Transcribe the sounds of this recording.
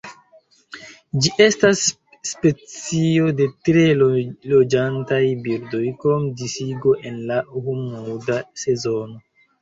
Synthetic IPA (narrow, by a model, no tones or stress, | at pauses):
d͡ʒiʔe̞stasː | pe̞t͡sio̞de̞tɾe̞lod͡ʒantajbiɾdo̞jkomdisiɡo̞ʔe̞nlahumudase̞zo̞no̞